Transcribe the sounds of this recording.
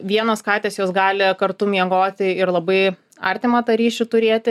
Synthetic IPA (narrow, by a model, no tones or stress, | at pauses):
ʋʲiɛnoskɑːt̪ʲeːsjoːsɡɑːlʲɪkɐrt̪ʊmʲiɛɡoːt̪ʲɪɪrlˠɐbɐɪ | ɐrʲt̪ʲɪmɐt̪ɐɾʲiːʃʲʊt̪ʊɾʲeːt̪ʲɪ